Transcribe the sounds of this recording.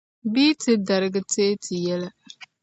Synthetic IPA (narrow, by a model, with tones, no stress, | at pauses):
biː˦tɨ˦da˨ɾɨ˦ɡɨ˦teː˦tɪ˨jɛ˦la˦